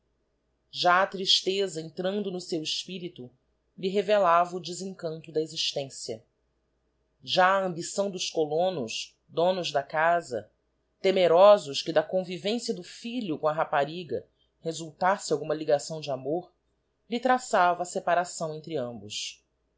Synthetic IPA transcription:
ʒaɐt̪ɾiʃt̪ezɐẽnt̪ɾɐ̃nd̪ʊnʊsewɪʃpiɾit̪u | liɦevelavɐʊd͡ʒɪzẽkɐ̃nt̪ʊd̪ɐeziʃt̪ẽsiɐ̰ | ʒaɐɐ̃mbisɐ̃w̃d̪ʊʃkolõnʊʃ | d̪õnʊzd̪ɐkazɐ̰ | t̪emeɾɔzʊʃkɪd̪ɐkõvivẽsiɐd̪ʊfiʎʊkõɐɦapaɾiɡɐ̰ | hezuwt̪asɪawɡũmɐliɡasɐ̃w̃d͡ʒɪamoɾ | lit̪ɾasavɐːsepaɾasɐ̃w̃ẽnt̪ɾiɐ̃mbʊs

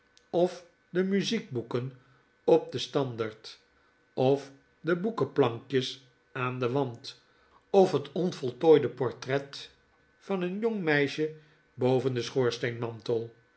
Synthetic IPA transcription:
ɔf | dəmyziɡ̚bukən | ɔp̚dəstɑndaɹt | ɔf | dəbukəplɑŋkjəs | aːndəʋɑnt | ɔfɦətɔnfɔlˠtoːjdəpɔɹtrɛt | fɑnənjɔŋmɛjʃə | bowvəndəsχoːɹstejnmɑntəlˠ

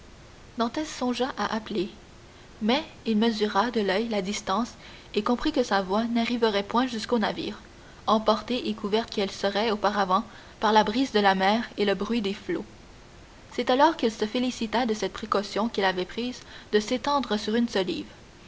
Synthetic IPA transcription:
d̪ɑ̃t̪ɛsːɔ̃ʒaʔaʔaple | mɛ | ilməzyʁad̪əlœjlad̪ist̪ɑ̃s | ekɔ̃pχikəsavwanaʁivəʁɛpwɛ̃ʒyskonavḭːʁ | ɑ̃pɔʁt̪eʔekuvɛʁt̪kɛlsəʁɛopaʁavɑ̃ | paʁlabʁiːzd̪əlamɛːʁeləbʁɥid̪eflo | sɛt̪alɔʁkilsəfelisit̪ad̪əsɛt̪̚pχekɔsjɔ̃kilavɛpχiːzd̪əset̪ɑ̃d̪ʁəsyʁynsɔlḭːv

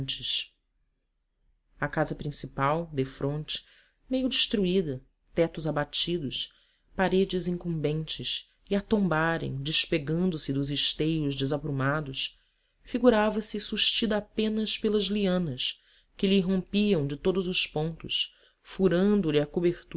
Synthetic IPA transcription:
t͡ʃɪʃ | ɐkazɐpɾĩsipawd̪efɾõnt͡ʃɪ̥ | mejʊd͡ʒɪʃt̪ɾuid̪ɐ | t̪ɛt̪ʊzabat͡ʃid̪ʊʃ | paɾed͡ʒɪzĩŋkũmbẽnt͡ʃɪs | iat̪õmbaɾḛ̃j̃d͡ʒɪʃpeɡɐ̃nd̪ʊsɪd̪ʊzɪʃt̪ejʊʒd͡ʒɪzapɾumad̪ʊs | fiɡuɾavɐsɪsuʃt͡ʃid̪ɐapẽnɐspelɐzliɐ̃nɐs | kɪliːɦõmpiɐ̃w̃d͡ʒɪt̪od̪ʊzʊspõnt̪ʊʃ | fuɾɐ̃nd̪ʊlɪakobeɾt̪

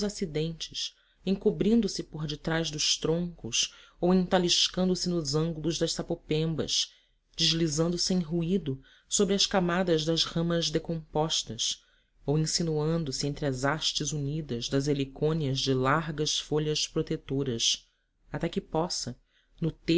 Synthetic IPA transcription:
zasid̪ẽnt͡ʃɪʃ | ẽŋkubɾĩnd̪ʊsɪpoɾd͡ʒɪt̪ɾaʒd̪ʊʃt̪ɾõŋkʊsowẽnt̪aliʃkɐ̃nd̪ʊsɪnʊzɐ̃ŋɡulʊʒd̪ɐʃsapopẽmbɐ̰ʃ | d͡ʒɪʒlizɐ̃nd̪ʊsɪẽj̃ɦuid̪ʊ | sobɾɪɐʃkamad̪ɐʒd̪ɐzhɐ̃mɐzd̪ekõmpɔʃt̪ɐs | owẽsinuɐ̃nd̪ʊsɪẽnt̪ɾɪɐzaʃt͡ʃɪzunid̪ɐzd̪ɐzelikõniɐzd͡ʒɪlaɾɡɐsfoʎɐspɾot̪et̪oɾɐs | at̪ɛkɪpɔsɐ | nʊt̪e

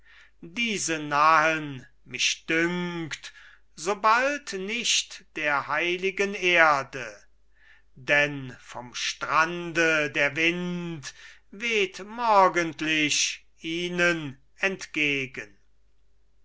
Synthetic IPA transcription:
diːzənahən | mɪʃd̥ʏŋkt | z̥obaltnɪʃtd̥eːɐhaɪlɪɡəneːɐdə | dɛnfɔmʃtʁandədeːɐvɪntveːtmɔɐɡəntlɪʃ | iːnən | ɛntɡ̥eːɡən

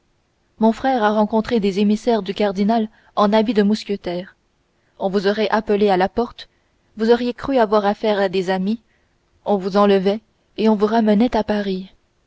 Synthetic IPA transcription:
mɔ̃fχɛːʁaʁɑ̃kɔ̃t̪χed̪ezemisɛʁd̪ykaʁd̪inal | ɑ̃nabid̪əmuskʲət̪ɛːʁ | ɔ̃vuzɔʁɛʔapəlealapɔʁt̪ | vuzɔʁjekχyavwaʁafɛːʁad̪ezami | ɔ̃vuzɑ̃ləvɛ | eɔ̃vuʁamənɛt̪apaʁi

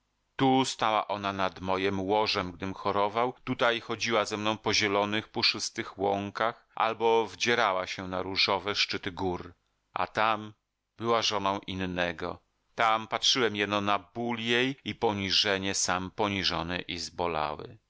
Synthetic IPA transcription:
t̪ust̪awa̰ʔɔnanad̪mɔjɛmwɔʐɛmɡ̚d̪ɘmxɔɾɔvawt̪ut̪ajxɔd͡ʑiwazɛmnɔ̃w̃pɔʑɛlɔnɘxpɔʂɘst̪ɘxwɔŋkax | ʔa̰lbɔvd͡ʑɛɾawaɕɛnaɾuʐɔvɛʂt͡ʂɘt̪ɘɡuɾ | a̰t̪am | b̥ɘwaʐɔnɔ̃w̃ʔinːɛɡɔ̰ | t̪ampatʂɘwɛmjɛd̪nɔnabuljejipɔɲiʐɛɲɛsampɔɲiʐɔnɘʔizbɔla̰wɘ̰

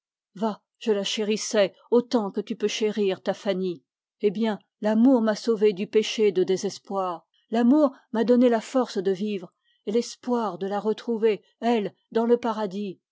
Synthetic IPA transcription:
va | ʒ̥əlaʃeʁisɛ | ot̪ɑ̃kət̪ypøʃeʁiʁt̪afani | ebjɛ̃ | lamuʁmasoved̪ypeʃed̪əd̪ezɛspwaːʁ | lamuʁ | mad̪ɔnelafɔʁsd̪əvivʁ | elɛspwaʁd̪əlaʁət̪χuve | ɛl | d̪ɑ̃ləpaʁad̪i

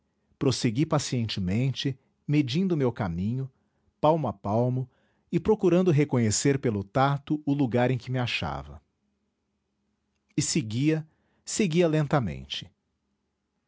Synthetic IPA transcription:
pɾoseɡipasiẽnt͡ʃɪmẽnt͡ʃɪ | med͡ʒĩnd̪ʊmewkamĩɲʊ | pawmʊapawmʊ | ɪpɾokuɾɐ̃nd̪ʊɦekõɲeseɾpelʊt̪at̪ʊʊluɡaɾẽkɪmɪaʃa̰vɐ̰ | ɪseɡiɐ | seɡiɐlẽnt̪ɐmḛ̃nt͡ʃɪ̥

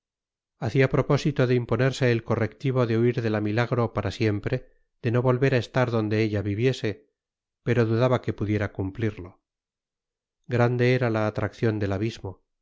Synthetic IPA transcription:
aθiapɾo̞po̞sit̪o̞ðeimpo̞ne̞ɾse̞ːlko̞re̞kt̪iβ̞o̞ðeuiɾðe̞lamilaɣɾo̞paɾasje̞mpɾe̞ | ð̥e̞no̞βo̞lβe̞ɾae̞st̪aɾðo̞nd̪e̞eʎaβiβje̞se̞ | pe̞ɾo̞ðuðaβake̞puðje̞ɾakumpliɾlo̞ | ɡɾand̪e̞eɾalaːt̪ɾakθjo̞nd̪e̞laβizmo̞

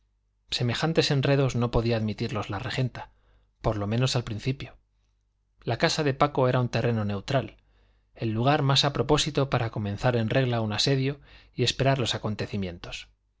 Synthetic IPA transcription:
se̞me̞xant̪e̞se̞nre̞ðo̞zno̞po̞ðiaːðmit̪iɾlo̞zlare̞xe̞nt̪ḁ | po̞ɾlo̞mẽno̞salpɾinθipjo̞ | lakasaðe̞pako̞e̞ɾaunt̪e̞rʔe̞no̞ne̞wt̪ɾal | e̞lːuɣ̞aɾmasapɾo̞po̞sit̪o̞paɾako̞mẽ̞nθaɾe̞nre̞ɣlaunase̞ðjo̞ie̞spe̞ɾaɾlo̞sako̞nt̪e̞θimjẽ̞nt̪o̞̥s

